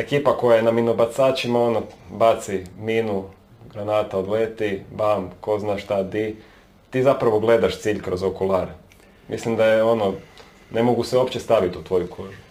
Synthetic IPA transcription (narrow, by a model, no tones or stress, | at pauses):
e̞kiːpako̞jajenaminobat̪saːt͡ʃimao̞nobat̪siminu | ɡɾanaːt̪aod̪let̪ibamko̞znaːʃt̪ad̪i | t̪iːzapɾaʋo̞ɡlˠe̞d̪aʃt̪siːʎkɾo̞zokulˠaɾe | mʔḭslimd̪ajeo̞no | ne̞moɡuseuopt͡ɕest̪aʋit̪ut̪ʋo̞jukʰoʒu